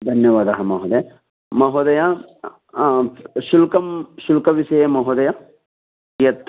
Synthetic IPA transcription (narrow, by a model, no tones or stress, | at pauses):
d̪ʱɐnjɐʋaːd̪ɐɦɐmɐɦod̪ɐ | mɐɦoːd̪ɐja | ʃulkɐmʃulkɐʋisɐjemɐɦod̪ɐja | ijɐt̪ʰː